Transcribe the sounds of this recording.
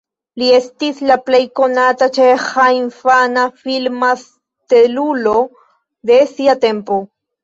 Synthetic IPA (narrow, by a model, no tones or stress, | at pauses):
lie̞st̪islaplejko̞nat̪at͡ʃehaiɱfanafilmas | t̪elulo | d̪esiat̪e̞mpo